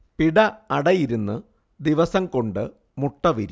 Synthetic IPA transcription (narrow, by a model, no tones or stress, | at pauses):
piɽɐɐɽɐjiɾunːɨ | d̪iʋɐsɐmko̞ɳɖɨ | muʈːɐʋiɾ